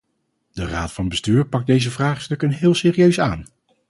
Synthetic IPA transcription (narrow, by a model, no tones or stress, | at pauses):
d̥əra̰ːtfɑnbəstyːɹpɑɡ̚dejzəvraːχstɵkənɦɪːlˠsɪːrijøɥsaːn